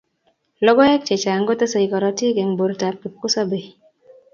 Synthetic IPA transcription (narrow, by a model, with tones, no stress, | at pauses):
lɔ˦ɡɔ˦ɛ˦k̚t͡ʃe˨t͡ʃa˨ŋɡo˦t̪e˦sɔ˨jkɔ˨ɾɔ˦ti˦ɡe˨ŋbo˨ɾta˨p̚ki˨p̚kʊ˦sɔ˦be˨